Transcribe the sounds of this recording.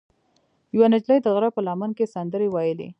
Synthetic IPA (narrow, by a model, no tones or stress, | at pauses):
jwanad͡ʒlajd̪əɣɾapəlɑmənkesand̪əɾewɑjəlḛ